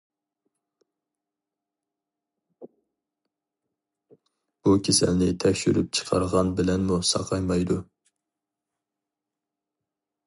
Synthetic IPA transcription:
b̥ukʲʰesæ̰lnɪt̪ʰɛkʲʃyɾyp̚t͡ʃʰə̥qʰɑ̰ɾʁɑnbɪlɛnmusɑ̰qʰɑjmɑjd̪u

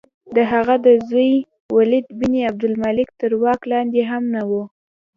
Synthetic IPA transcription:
d̪əɦaɣad̪əzəj | walɪd̪biniab̚d̪ʊlmalɪk̚t̪əɾwɑklɑnd̪eɦamnawu

